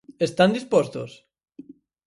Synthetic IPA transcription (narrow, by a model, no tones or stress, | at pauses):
est̪and̪ispost̪os